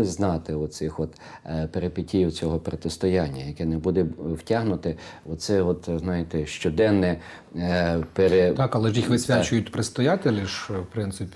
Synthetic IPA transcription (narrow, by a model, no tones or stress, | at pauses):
ɪznɑt̪ɪɔsɪxɔt̪ | peɾepɪtʲijiwt͡sʲɔɦɔpɾɔt̪ɪst̪ɔjanʲːɐjɐkɛnɛbud̪ɛwtʲaɦnʊt̪ɪɔsɛɔt̪znɑjɪt̪ɛʃt͡ʃɔd̪ɛnːɛ | peɾet̪ɑkɐlˠɛʒjixʋɪsʲʋʲat͡ʃʊjʊt̚ʲpɾɪst̪ɔjat̪elʲiʒwpɾɪnt̪sɪpʲ